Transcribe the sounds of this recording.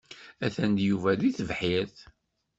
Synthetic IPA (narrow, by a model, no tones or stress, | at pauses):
æθænd̪juvæðiθəvħiɾθ